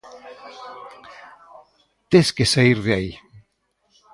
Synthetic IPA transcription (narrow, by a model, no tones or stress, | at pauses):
t̪eskesaiɾðeai